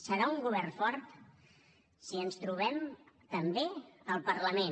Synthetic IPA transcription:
səɾauŋɡuβɛrfɔɾt̪ | siənst̪ɾuβ̞ɛm | t̪əmbeəlˠpəɾləmen

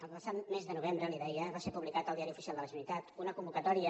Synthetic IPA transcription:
əlˠpəsat̪mezðənuβ̞embɾəliðɛjəβasepuβlikat̪əlˠd̪iaɾiufi̥sialˠd̪ələʒənit̪at̪unəkumbukət̪ɔɾiə

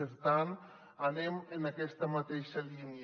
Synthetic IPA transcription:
əɾt̪an | ənemənɐkɛst̪əmɐt̪eʃɐlini

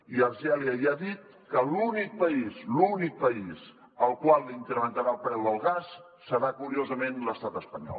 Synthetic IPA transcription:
iəɾʒɛliəiaðit̪̚ | kəlunik̚pəizlunik̚pəiz | əlˠkwalˠːiŋkɾəmənt̪əɾalˠpɾɛwðəlˠɣas | səɾakuɾiozəmenləst̪at̪əspəɲɔ̰l

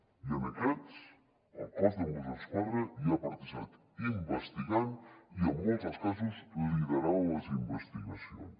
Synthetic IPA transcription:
jənəkɛt͡s | əlˠkazðəmuzaskaɾɾəiapəɾt̪əʒa̰t̪ | imbəst̪iɣaniəmːɔlˠt̪əskazəsəziðəɾawləzimbəst̪iɣəsio̰ns

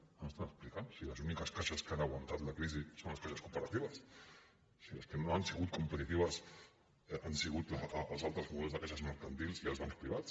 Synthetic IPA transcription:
əmst̪anəksplikansiləzunikəskaʃəskanəɣwant̪at̪ləkɾizisonlɐskaʃəskupəɾat̪iβɐsː | ilɐskənoansiɣut̪̚kumpət̪it̪iβ̞əs | ʔansiɣut̪lːlˠzalˠt̪ɾəzmuðɛlzðəkaʃəzməɾkant̪ilziəlzβaŋspɾiβatt͡s

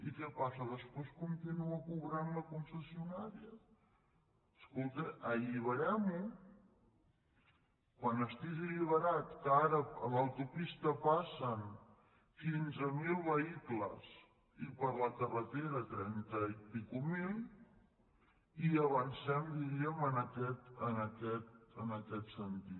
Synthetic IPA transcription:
ikɛpasəðəspweskunt̪inuəkuβɾanləkunsəsiunaɾiə | skolˠt̪eəʎiβəɾɛmu | kwanəst̪ikəʎiβəɾat̪kəaɾəələwt̪upist̪əpasən | kinzəmilˠβəikləz | ipəɾləkərət̪eɾət̪ɾɛnt̪əipikumilˠ | iəβ̞ənsɛmd̪iɾiəmənəkɛt̪ənəkɛt̪̚ənəkɛt̪sənt̪it̪

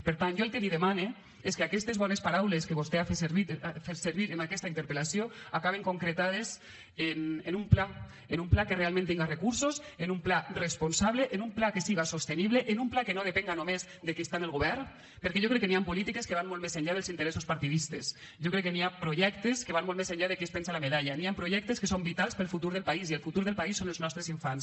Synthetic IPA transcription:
peɾt̪anʒoelkelið̞emane | eskeakɛst̪ezβɔnespaɾawleskeβost̪eafeseɾβifeɾseɾβiɾenakɛst̪aint̪eɾpelasjoakaβ̞eŋkoŋkɾet̪að̞es | enenumpla | enumplakerealˠmẽnt̪iŋɡarekuɾsosenumplaresponsaβleʔenumplakesiɣasost̪eniβleʔenumplakenoð̞epeŋɡanomez | ðekist̪anelˠɣoβɛɾn | peɾkɛʒokɾɛkːeniampulit̪ikeskeβanmolˠmezeɲʎað̞elˠzint̪eɾɛsuspaɾt̪iðist̪es | ʒokɾɛkːeniapɾoʒɛkt̪eskeβanmolˠmezeɲʎaðekespɛnsalameðaʎaniampɾoʒɛk̚t̪eskesombit̪alˠspelˠfut̪uɾðelˠpaizielfut̪uɾðelˠpaisːonelznɔst̪ɾeziɱfans

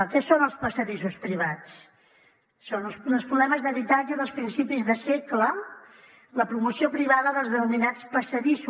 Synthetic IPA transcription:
kɛsonəlˠspəsəðisuspɾiβ̞at͡s | onəlˠsəlˠspɾuβlɛməzðəβit̪ad͡ʒəðəlˠspɾinsipizðəseklə | ləpɾumusiopɾiβaðəðəlˠzðənuminat͡spəsəðisu

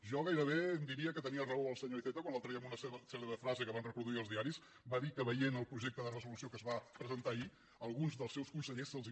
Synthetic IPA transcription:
ʒɔɣajɾəβ̞eənd̪iɾiəkət̪əniərəoəlˠsəɲoiθɛt̪əkwanlalˠt̪ɾəɛəmunəsɛsɛleðəfɾazəkəβanrəpɾuðuiəlzðiaɾis | baðikəβəjenəlˠpɾuʒɛk̚t̪əðərəzulusiokəzβapɾəzənt̪ai | əlˠɣunzðəlˠsɛwskunsəʎesːəlˠzi

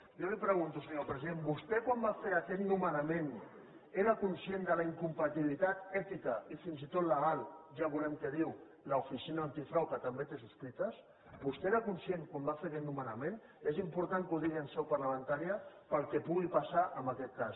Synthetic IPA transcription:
jolipɾəɣ̞unt̪usəɲopɾəziðenbust̪ekwambafeɾakɛt̪numənamẽn | eɾəkunsjend̪əlaiŋkumpat̪iβlit̪at̪ɛt̪ikəifinzit̪ot̪ləɣalˠʒaβulɛmkəðiw | laufisinaant̪ifɾawkət̪ɐmbet̪es̬uskɾit̪əs | bust̪eeɾaəkunsjeŋkwambafeɾakɛt̪numənamen | ezimpuɾt̪aŋkuðiɣiənsɛwpaɾləmə̃nt̪aɾiəpəlˠkɛpuɣipasaʔəmbakɛt̪̚kas

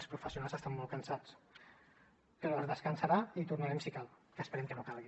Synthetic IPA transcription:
spɾufəsiunalˠzəst̪amːɔlˠkənsat͡s | pəɾɔəzðəskənsəɾait̪urnəɾɛmsikalˠkəːspəɾɛmkənokalˠɣi

